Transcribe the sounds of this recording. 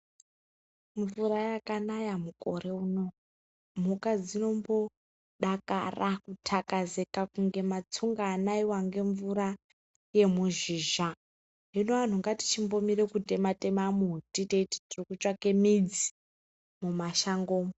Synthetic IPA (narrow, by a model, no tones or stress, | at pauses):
ɱvurajakanajamukʼo̞re̞uno̞ | m̤ukad͡zino̞mbo̞ | ɗaka̰rakutʰakazekakuŋɡe̞mat͡suŋɡaːnaiwaŋɡe̞ɱvuɾa | je̞muʒiːʒa | ɦinoʋan̤uŋɡati̥t͡ʃimbo̞mirekute̞mate̞mamutiteiti̥tirikut͡ʃake̞mid͡zi | mumaʃaŋɡo̞ːmo